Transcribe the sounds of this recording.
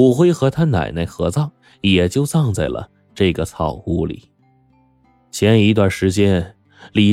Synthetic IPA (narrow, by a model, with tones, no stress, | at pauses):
u˨˩xwe˥ɪxɤ˧˥t̪ʰa˥na̰˨˩ɪne˥˩ɪxɤ̰˧˥t͡sɑ˥˩ʊ | jɛ˨˩t͡ɕjo˥˧ʊt͡sɑ˥˧ŋt͡sa˥˩ɪlə̰˩ | ʈ͡ʂɤ˥˩ɡə˩t͡sʰɑ˥˨˩ʊu˥lḭ˨˩˦ | t͡ɕʰjɛ˧˥ni˧˥t̪̬wa˥˩nʂɻ̩˧˥t͡ɕjɛ˥n | li˨˩